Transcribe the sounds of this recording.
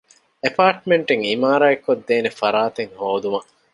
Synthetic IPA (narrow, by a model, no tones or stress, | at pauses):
epaːʈmeɳʈeŋimaːɾaːekːod̪ːeːnefɐɾaːt̪eŋhoːd̪umɐ